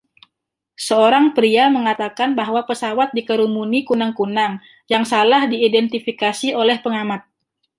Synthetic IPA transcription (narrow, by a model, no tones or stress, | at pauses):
səoɾaŋpɾiaməŋat̪akanbaɦwapəsawat̪̚dikəɾumunikunaŋkunaŋ | jaŋsalahdiːdɛnt̪ifikasiolɛhpəŋamat̪̚